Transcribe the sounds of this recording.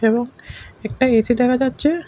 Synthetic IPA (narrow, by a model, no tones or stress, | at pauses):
ebɔŋɛk̚ʈaesid̪ɛkʰad͡ʑatːʃʰe